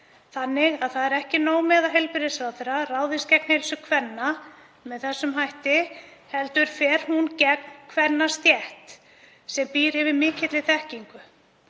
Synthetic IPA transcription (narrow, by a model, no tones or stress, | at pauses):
θanːɪɣaðθaðɛɾɛhcɪnoːwmɛːðaɦejlpɪɾɪsɾawθɪɾaraːwðɪscɛknhejlsʏkʰvɛnːa | mɛðθɛsːʏmɦajht̪ɪhɛlt̪ʏɾ̥fɛːɾ̥huncɛk̚nkʰvɛnːast̪jɛht̪ | sɛmpiːɾɪvɪðmɪːcɪt̪lɪθɛhciŋkʏ